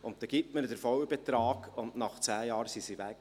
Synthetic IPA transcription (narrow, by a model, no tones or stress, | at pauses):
ʊntt̪ɛɡ̥itmədəɾfɔwəbɛt̪ɾɑːɡʊndnɑχt͡sæːjɑːɾsisiʋæk